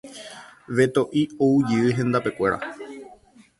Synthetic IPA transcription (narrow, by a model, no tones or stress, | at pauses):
ʋe̞t̪o̞ʔioud͡ʒɨɨɦẽ̞nd̪ape̞kʷe̞ɾʔa̰